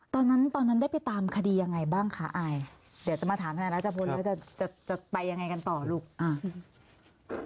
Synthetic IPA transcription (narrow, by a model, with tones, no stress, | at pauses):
t̪ɔː˧nːa˦˥nt̪ɔː˧nːa˦˥nda˥˩jpa˧jt̪aː˧mkʰa˧diː˧ja˧ŋːa˧jbaː˥˩ŋkʰa˦˥˩ʔaː˧j | di˨˦wt͡ɕa˨˩maː˧aː˩˦mt̪a˧a˨˩˦la˦˥˩t͡ɕa˨˩pʰo˧nlɛː˦˥wt͡ɕa˧˩t͡ɕa˨˩t͡ɕa˨˩pa˧jːa˧ŋa˧jka˧nt̪ɔː˨˩luː˥˩k̚ʔaː˧˩